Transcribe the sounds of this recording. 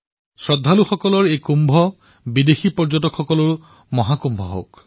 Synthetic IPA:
sɹɔd̪ʱːaluxɔkɔlɔɹejkumbʱɔ | bid̪exipɔɹd͡ʒɔtɔkʰxɔkɔlɔɹ | mɔɦakumbʱɔ̰ɦo̰wk

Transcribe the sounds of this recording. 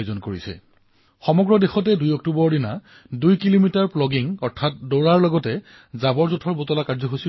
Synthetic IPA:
zɔnkoɹisɛ̰ | xɔmɔɡɹɔdexɔt̬ɛdujɔk̚tubɔɹdina | dujkilomitaɹplɔɡiŋɔɹtʰat̚dɔɹaɹlɔɡɔtɛ | zabɔɹzutʰɔɹbotɔlakaɹzɔxosi

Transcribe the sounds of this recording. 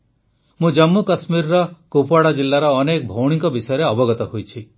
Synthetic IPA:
mũd͡ʒɔmːukasmiɾɔɾɔkopaɽad͡ʒilːaɾɔːnekɔbʱowɽ̃iŋkɔbisɔjɔɾeɔbɔɡɔt̪ɔhojt͡ʃʰi

